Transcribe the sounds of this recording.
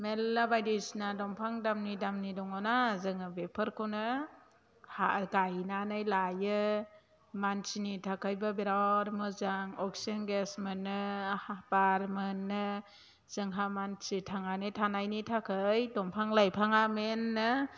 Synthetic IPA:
melːabajdisnadɔmpʰaŋdamnidamnidɔŋɔnazɯŋɯbepʰɯɾkʰɯwnɯ | haɡajnanɯjlajɯ | mansinitʰakʰɯjbabeɾawɾmɯzaŋɔksinɡesmɯnːɯhabaɾmɯnːɯ | z̥ɯŋɦamansitʰaŋanɯtʰanajnitʰakʰɯjdɔmpʰaŋlajpʰaŋamenːɯ

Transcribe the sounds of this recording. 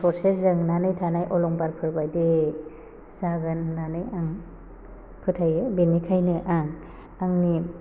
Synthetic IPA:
pʰɔɾseszɯŋnanɯjtʰanajʔɔlɔŋbaɾpʰɯɾbajde | z̥aɡanːanɯjaŋ | pʰɯtʰajebinikʰajnɯʔaŋ | aŋni

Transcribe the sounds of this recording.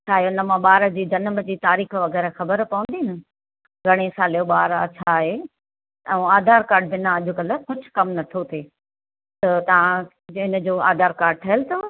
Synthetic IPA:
t͡ɕʰaːɦeʊnə̆mãɓaːɾəd͡ʑiːd͡ʑɐnmə̆d͡ʑiːt̪aːɾiːxʋɐɣɛːɾəxɐbəɾpɐʋə̃nd̪iɦnɪ̆ | ɡʱɐɽ̃esaːljoɓaːɾa̰t͡ɕʰaɦe | ɛ̃aːd̪ʱaːɾkaːɾɖ̚bɪnãɐʄʊkɐləkʊd͡ʑʱkɐmnɐt̪ʰot̪ʰeː | t̪ɐt̪ɐʋ̤ã | ɪnə̆d͡ʑoːa̰ːd̪ʱaːɾkaːɾɖ̚ʈʰɐɦəlt̪ʰo

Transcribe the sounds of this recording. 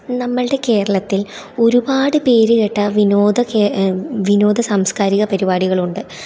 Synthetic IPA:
nɐmːɐɭɨɽe̞ke̞ːɾɐɭɐt̪ːil | o̞ɾubaːɽɨpe̞ːɾɨkeʈːɐʋinoːd̪ɐkeʋino̞ːd̪ʱɐsaːmskaːɾiɣɐpɐɾibaːɽiɣɐɭuɳɖɨ

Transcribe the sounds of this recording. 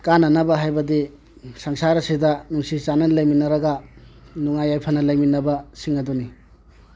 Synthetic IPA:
kanɐnɐbɐɦajbɐdi | sɐŋsaɾɐsidɐnuŋsit͡ʃanɐnlɐjminɐɾɐɡɐnuŋajːajpʰɐnɐlɐjminɐbɐsiŋɐduni

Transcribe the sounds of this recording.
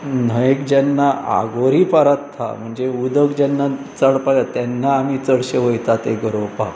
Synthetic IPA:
n̤əjekd͡ʑanːaʔa̰ɡoɾipaɾat̪ʰːa̰m̤əɳd͡zeud̪əkd͡ʑanːa | t͡səɽpajat̪janːaːmit͡səɽɕeʋəjt̪at̪eɡəɾowpa̰

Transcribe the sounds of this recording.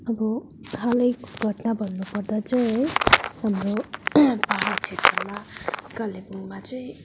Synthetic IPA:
ʌbʌ | kʰalʌjkɡʱʌʈnabʱʌnːupʌrd̪at͡sʌĩ | ɦamrobaɦat͡sʰet̪rʌmakʌlebuŋmat͡sʌĩ

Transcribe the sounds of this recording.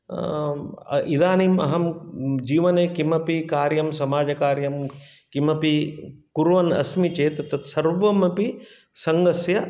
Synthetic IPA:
id̪aːnimɐ̰ɦɐmd͡ʒiːʋɐneːkimɐpikaːɾjɐmsɐmaːd͡ʒɐkaːɾjɐm | kimɐpikuɾʋɐnɐ̰smit͡ʃeːt̪ɐt̪ɐt̪sɐɾʋɐmɐpi | sɐŋɡɐsjɐ

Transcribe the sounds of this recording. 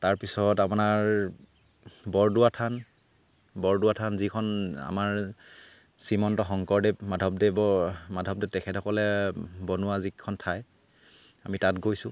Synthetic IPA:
taɹpisɔtapʊnaɹ | bɔɹdʊwatʰan | bɔɹdʊwatʰanzikʰɔna̰maɹ | simɔntɔxɔŋkɔɹdɛmadʱɔp̚dɛbɔmadʱɔpdɛtɛkʰɛtɔkɔlɛbɔnʊwazikʰːɔntʰaj | amitatɡojsʊ

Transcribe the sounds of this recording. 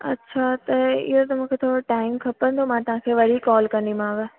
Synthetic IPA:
ɐ̰tːɕʰat̪ɐɪ̰ɦot̪ɐmũːkʰet̪ʰoːɾoʈaːɪmkʰɐpə̃ñd̪ʰomãt̪ɐɦãkʰeːʋɐɽ̤ikɔːlkɐ̃nd̪imãːʋɪ

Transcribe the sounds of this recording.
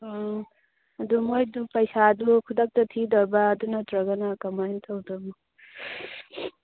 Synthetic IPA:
ɐd̪umojdupʌjsad̪ukʰud̪ʌk̚t̪ʌt̪ʰid̪ɔɾbaːd̪unʌt̪ɾʌɡanakʌmajnt̪ʰʌwd̪ɔmu

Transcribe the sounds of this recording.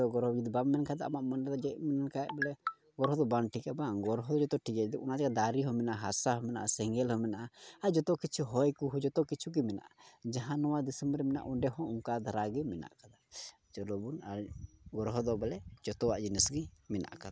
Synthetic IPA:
ɔɡɔɾɦɔd͡ʒud̪bamːɛnkad̪aʔamaʔmɔnɖɛd̪ɔd͡ʒɛʔmɛnankajɛʔ̚bɛlɛ | ɡɔɾɦɔd̪ɔbanʈikɛbaɡɔɾɦɔd̪ɔd͡ʒɔt̪ɔʈikɛd̪ɔʔunad͡ʒaɡad̪aɾiɦɔ̃mɛnaʔaɦasaɦɔ̃mɛna̰ʔasɛŋɡɛlhɔ̃mɛnaʔaad͡ʒɔt̪ɔkit͡ʃʰuɦɔjkuɦud͡ʒɔt̪ɔkit͡ʃʰuɡimɛna̰ʔad͡ʒaɦãnɔwad̪isəmɾɛmɛna̰ʔuɖɛɦɔ̃uŋkad̪ʱaɾaɡɛmɛna̰ʔkad̪a | d͡ʒɔlɔbunaɡɔɾɦɔd̪ɔbɛlɛd͡ʒɔt̪ɔwaʔd͡ʒinɛsɡimɛna̰ʔkad̪a

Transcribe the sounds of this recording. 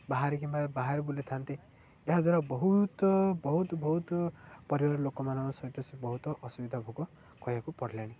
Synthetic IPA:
baɦaɾekimbabaɦaɾbulet̪ʰant̪e | eɦad͡zaɾabɔɦut̪bɔɦut̪bɔɦut̪pʌɾiwaɾlokɔmanamasʌjt̪ɔsibɔɦut̪ɔʔʌsubid̪ʱabʱuɡɔ | kɔjakupɔɽʱljaɽ̃i

